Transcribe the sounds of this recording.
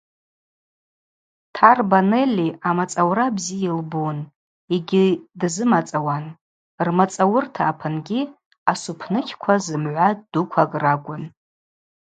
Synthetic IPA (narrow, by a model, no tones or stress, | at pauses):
tʰarbanelʲːiamat͡sʼawɾabziilbun | iɡʲidzɨmat͡sʼawan | rmat͡sʼawʊrtʰaːpʰanɡʲi | asupʰnɨkʲʰkʷʰazɨmʕʷad̥ukʷʰakʼraɡʷʼʊn